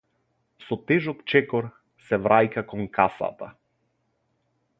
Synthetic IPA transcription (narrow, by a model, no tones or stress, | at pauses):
sɔt̪ɛʒɔkt͡ʃɛkɔɾ | sɛvɾʔajkakɔŋkʰasa̰t̪a̰